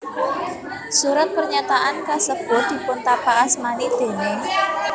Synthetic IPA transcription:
suɾat̪̚pərɲat̪aʔankasəb̥ʊ̤d̪̥i̤pʊnt̪apaʔasmanid̪̥e̤ne

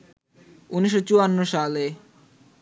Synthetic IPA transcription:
uniʃ̬ːot͡ɕuanːoʃale

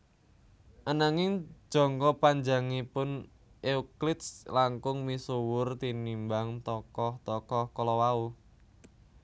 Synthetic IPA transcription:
ʔanaŋɪŋ̥ʒ̥ɔ̤ŋkɔpaɲd͡ʒaŋipʊn | ʔeuklɪt̪slaŋkʊŋmisuwʊrt̪inimbaŋt̪ɔkɔht̪ɔkɔhkɔlɔwau

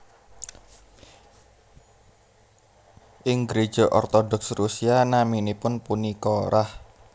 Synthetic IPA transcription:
ʔɪŋɡɾe̥ʒ̥ɔʔɔrt̪ɔdɔksrusianaminipʊnpunikɔɾʔah

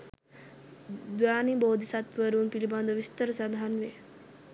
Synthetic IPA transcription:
d̪ujaːniboːd̪ʱisat̪ʋəɾuumpiliband̪əʋist̪əɾəsad̪aɦanʋe

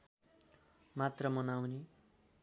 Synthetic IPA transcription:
mat̪rʌmʌnawne

